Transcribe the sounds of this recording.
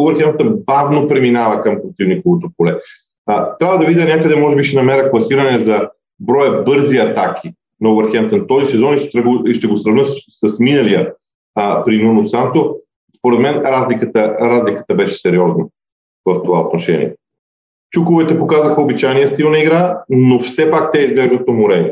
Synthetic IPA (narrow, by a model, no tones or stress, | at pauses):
ʊvɛɾxɛnt̪əbavnopɾɛminavɐkɐmpɾot̪ivnikovot̪opolɛ | t̪ɾʲabəd̪ɐvid̪ʲənʲakəd̪ɛmɔʒɛbiʃɛnɐmɛɾəklˠɐsiɾɐnɛzɐ | bɾɔjəbɤɾziɐt̪ak̟ʰi | nɐuvɛɾxɛnt̪ənt̪ɔzisɛzɔniʃt̪t̪ɾəɡoiʃt̪ɛɡosɾɐvnɤssəsminɐlijə | pɾinunosamt̪o | spoɾɛt̪mɛnɾazlikət̪əɾazlikə̥t̪əbɛʃɛ̥sɛɾiɔznɐ | vəft̪ovaot̪noʃɛ̰nʲḭɛ̰ | t͡ʃukovɛt̪ɛpokazəxəobit͡ʃajnijəst̪ilˠnɐiɡɾanofsɛpak̚t̪ɛizɡlɛʒd̪ət̪omoɾɛn